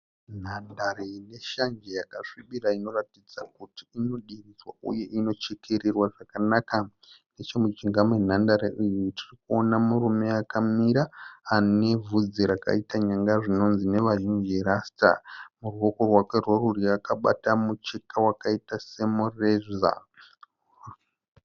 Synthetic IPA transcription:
n̤andarene̞ʃand͡ʒejakaʂiɓiɾaino̞ratid͡zakuti̥ino̞ɗirid͡zwaṵje̞ʔino̞t͡ʃekʰe̞ɾerwaʐakanaka | ne̞t͡ʃe̞mut͡ʃiŋɡamwe̞n̤andaɾeʔijutʰirikuo̞namurume̞akamiɾaːne̞vud͡ziɾaka̰itaɲaŋɡaʐino̞nzine̞ʋaʒind͡ʒeɾasta̰muruwo̞ko̞rwake̞rworuriakaɓa̰tamut͡ʃekawakaitase̞murea̰

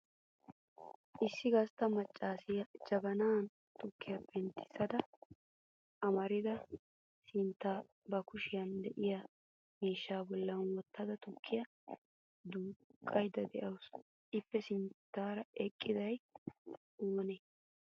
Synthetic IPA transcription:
ʔɪsːɪɡɐst̪ɐmɐt͡ʃʼːaːsɪjɐd͡ʒɐbɐnaːn | t̪ʊkːɪjɐbɛnt̪ʰɪ̥sɐd̪ɐ | ʔɐmɐɾɪd̪ɐ | sɪnt̪ːaː | bɐkʊʃɪjɐnd̪ɛʔɪja | miːʃːaːbɔlːɐnwɔt̪ːɐd̪ɐt̪ʊkʰːɪjɐ | d̪uːkʼːɐjd̪ɐd̪ɛʔɐws | ʔɪpːɛsɪnt̪ːaːɾɐɛkʼːɪd̪ɐj | oːneː

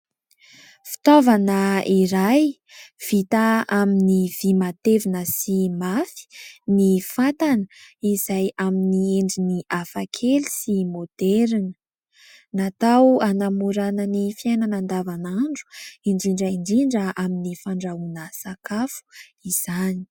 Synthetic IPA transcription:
fi̥t̪ovanəiɾaj | v̥it̪aaminiv̥imat̪evinəsimafi̥nifat̪anəizajaminieɳɖ͡ʐiniʔafakʰelisimod̪̥ɛɾinə | nat̪awanamuɾanənifiajnanand̪avanaɳɖ͡ʐu̥iɳɖ͡ʐiɳɖ͡ʐiɳɖ͡ʐiɳɖ͡ʐəaminifaɳɖ͡ʐaunəsakafu̥iz̥ani̥

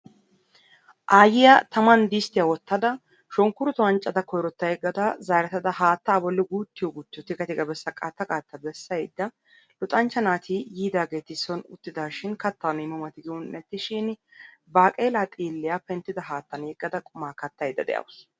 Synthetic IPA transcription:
ʔaːjɪjat̪ɐmɐnd̪ist̪ɪjawɔt̪ːɐd̪ɐ | ʃɔŋkʊɾʊt̪ʊwɐnt͡ʃʼɐd̪ɐkɔjɾɔt̪ːɐjɡɐd̪ɐzaːɾɐt̪ɐd̪ɐɦaːt̪ːaːbɔlːɪɡuːt̪ːɪjɔɡʊt̪ːɪjɔt̪ɪɡɐt̪ɪɡɐbɛsːɐkʼat̪ːɐkʼaːt̪ːɐbɛsːɐjd̪ːɐ | lʊt̪ʼɐnt͡ʃːɐnaːt̪ʰijiːd̪aːɡe̞ːt̪ɪsɔnʊ̰t̪ːɪd̪aːʃɪnkɐt̪ːanɪːmɐmɐt̪ɪɡɪwɔnːɛt̪ːɪʃɪnbaːkʼeːlat̪ʼiːlːɪjapɛnt̪ːɪd̪ɐɦaːt̪ːɐneːɡʼːɐd̪ɐkʼʊmaːkɐt̪ːɐjd̪ɐ̰d̪ɛ̰jɐ̰ws

